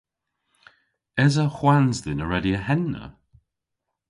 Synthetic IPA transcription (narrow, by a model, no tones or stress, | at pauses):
ɛzəxwanzðɪnəɹɛdiəhɛnːə̰